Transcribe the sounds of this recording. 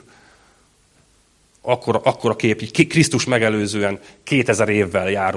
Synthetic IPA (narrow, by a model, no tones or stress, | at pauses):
ɒkːoɾʔɒkːo̞ɾɒkeːpikkrist̪uʃmɛɡɛløːzøːɛŋkeːt̪ɛzɛɾeːvːɛljaːɾ